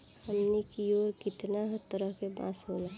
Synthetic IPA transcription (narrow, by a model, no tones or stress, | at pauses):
həmnikioːɾkɪt̪naɦət̪əɾəɦkebã̰ːsɦola